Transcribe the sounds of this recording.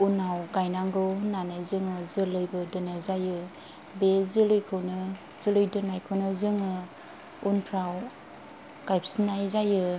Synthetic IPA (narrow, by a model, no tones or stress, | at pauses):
unawɡajnaŋɡɯnanɯzɯŋɯzɯlɯjbɯdɯnazajɯ | bezɯlɯjkʰɯwnɯ | z̥ɯlɯjdɯnajkʰɯwnɯzɯŋɯ | unpʰɾaw | ɡ̥ajp̚snajzajɯ